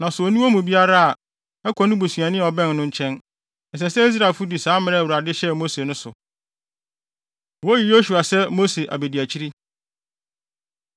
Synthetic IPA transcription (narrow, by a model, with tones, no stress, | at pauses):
nã˨sʊ˨ɔ˨nũ˦o˦mũ˨bi˦a˦ɾa˦a˨ | ɛ˦kʰɔ˨nʊ̃˦bu˨sɥã˨nɪ̃˦˨ɔ˨bɛ̃˦˨nːʊ̃˦ɲ̩˦t͡ɕʰɛ̃˦n | n̩˨s̬ɛ˨sɛ˦i˦s̬ɾa˨fʊ˦di˨sãː˦mɪ̃˦ɾɛ˦˨wu˨ɾa˨dɪ˦ɕɛ˦mo˦se˨nʊ̃˦sʊ˨ | wɔ˦ji˨jo˦su˨a˨sɛ˦mo˦se˨ʔa̰˨be˨di˨æ˨t͡ɕʰi˦ɾi˦